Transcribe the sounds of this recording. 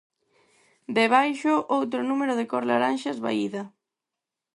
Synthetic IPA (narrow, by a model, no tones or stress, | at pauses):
d̪eβajʃʊʔowt̪ɾʊnumeɾʊðɪkɔɾlaɾanʃazβa̰iðɐ